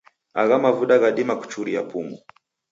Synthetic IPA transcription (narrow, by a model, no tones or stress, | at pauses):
aɣamavuɗaɣaɗimaku̥t͡ʃuɾia̰pumu